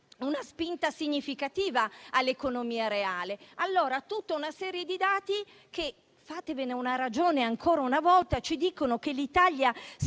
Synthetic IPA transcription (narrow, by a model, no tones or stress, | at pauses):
unaspint̪asiɲːifikat̪iːvaːlːekonomiːaɾeaːlealːoːɾat̪ut̪ːaunasɛːɾjed̪id̪aːt̪i | k̟e | faːt̪eveneunaɾad͡ʒoːneaŋkʰoːɾaunavɔlt̪at͡ʃid̪iːkonokelit̪aʎːja